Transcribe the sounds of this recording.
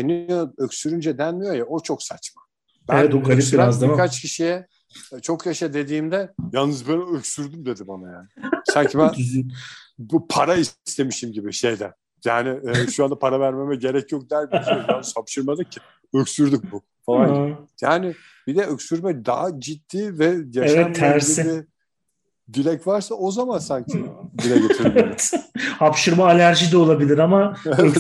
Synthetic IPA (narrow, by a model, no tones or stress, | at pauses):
enijoøcsyɾynd͡ʒɛd̪ænmijo̞jaot͡ʃʰo̞ksat͡ʃma | b̥ænɛt̪uɡaliiazkʰat͡ʃcʰiʃijɛ | t͡ʃʰokjaʃad̪e̞d̪iːmd̪ɛjalˠnɯzbɛnøcsyɾd̪ymd̪e̞d̪imanajaːnɪssaɲcʰibæn | bpʰaɾaist̪ʰe̞miʃimɟibiʃe̞jd̪æn | jaːnɪɛʃuand̪apʰaɾavæɾme̞mɛɟe̞ɾɛcʰjok̚d̪ælʲbid̪ojanɯshapʃɯɾmad̪ɯk̚cʰɪ̥ | øcsyɾd̪yk̚bu | falˠanjaːnɪ | b̥id̪ɛøcsyɾmɛd̪a̰ɦad͡ʒit̪ːiːvɛjaeʃvaɛt̪ʰːæɾsiibi | d̪ilʲɛcvaɾsaʔo̞zamansaɲcʰibilɛɟeiɾme | hapʃɯɾmaːlʲæɾʒid̪ɛo̞lˠabilʲiɾamaɛvɛ